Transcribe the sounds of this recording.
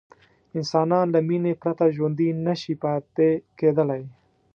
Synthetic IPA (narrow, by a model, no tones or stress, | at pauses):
ɪnsɑːnɑːnlaminepɾat̪aʒond̪inaʃipat̪ekeːd̪əlaj